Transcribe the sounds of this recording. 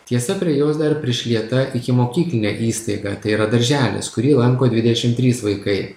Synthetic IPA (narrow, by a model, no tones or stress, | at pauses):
t̪ʲiɛsɐpʲɾʲiɛjoːsd̪ɐɾpʲɾʲɪʃʲlʲiɛt̪ɐʔɪkʲɪmoːkʲiːklʲɪnʲæːʔiːst̪ɐɪɡɑːt̪ɐɪiɾɐd̪ɐɾʲʒʲæːlʲḛskʊɾʲiːlˠɐŋkoːd̪ʲʋʲɪd̪ʲɛʃʲɪmt̪ʲɾʲiːsʋɐɪkɐɪ